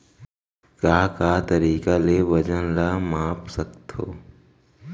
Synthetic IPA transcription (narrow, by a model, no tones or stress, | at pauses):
kaːkaːt̪ɐɾiːkaleʋɐd͡ʒənlamaːpsɐkt̪o̰ː